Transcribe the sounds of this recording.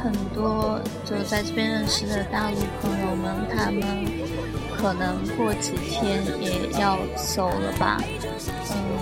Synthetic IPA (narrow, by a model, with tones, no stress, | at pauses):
xə˨˩nt̪wɔ˥jo˥˧˩d̪ə˧˩t͡sa˥˧ɪʈ͡ʂɤ˥˩pjɛ˥nɻə˥˩nʂɻ̩˥d̪ə˨t̪a˥˧ly˥˩pʰɤ˧˥ŋjo˧˩ʊnə˨˩nt̪ʰa˥mə˨n | kʰɤ˨˩nɤ˧˥ŋkwɔ˥˩t͡ɕi˨˩t̪ʰjɛ˥njɛ˨˩jɑ˥˩ʊ | so˥˩ʊlə̰˧bɐ̰˩ | n̩˥˩